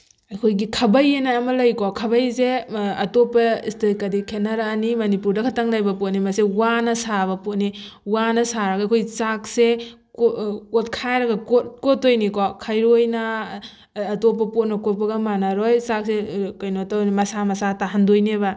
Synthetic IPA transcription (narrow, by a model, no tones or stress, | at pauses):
ɐjkʰojɡikʰɐbɐjenaːmɐlɐjkokʰɐbɐjzeɐtopːɐistekɐdikʰenaɾaːnimɐnipuɾdɐkʰɐtaŋlajbɐpot̚nimɐsewanɐsaβɐpotniwanɐsaɾɐɡɐakʰojt͡ʃak̚se | kokotkʰajɾɐɡɐkotkotojnikokʰajɾojnɐː | top̬ɐpot̚nɐkot̚pɐɡɐmanaɾojsak̚sekɐjnotawnmɐsamɐsataɦandojnebɐ